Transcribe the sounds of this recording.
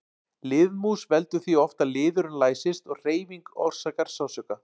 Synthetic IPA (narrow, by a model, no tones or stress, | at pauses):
lɪːðmusvɛlt̪ʏ̥θiɔft̪alɪːðʏɾʏnlaːjsɪst̪ɔɣr̥eːjviŋkɔ̰wɾ̥saːkaɾ̥sawsœːka